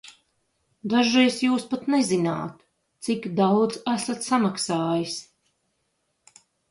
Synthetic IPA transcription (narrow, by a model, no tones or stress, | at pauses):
d̪aʒiɛsjuːspat̪nɛzina̰ːt̪ | t̪sikd̪awd̪zæsat̪samaksaːjis